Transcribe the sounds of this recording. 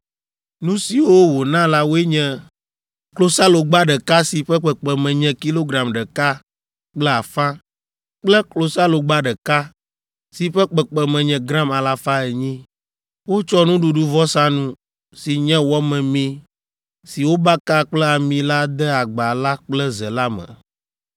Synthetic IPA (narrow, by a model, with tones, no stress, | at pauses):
nũ˦si˨wo˦wo˨nã˦la˦wo˦e˦ɲɛ̃˨ | klo˦sa˦lo˨ɡ͡ba˦ɖɛ˨ka˦si˨ɸɛ˦k͡pɛ˨k͡pɛ˨mɛ̃˨ɲɛ̃˨ki˦lo˦ɡɾa˨mɖɛ˨ka˦ | k͡plɛ˦a˨fã˦ | k͡plɛ˦klo˨sa˦lo˨ɡ͡ba˦ɖɛ˨ka˦ | si˨ɸɛ˦k͡pɛ˨k͡pɛ˨mɛ̃˨ɲɛ̃˨ɡɾã˦ma˨la˨fa˦ɛ˨ɲĩ˦ | wo˦t͡ʃɔ˦nũ˦ɖu˨ɖu˦vɔ˦sa˦nũ˦ | si˨ɲɛ̃˦wɔ˦mɛ̃˨mĩ˦ | si˨wo˦ba˦ka˦k͡plɛ˦a˨mĩ˨la˦d̪ɛ˦a˨ɡ͡ba˨la˦k͡plɛ˦zɛ˨la˦mɛ̰̃˨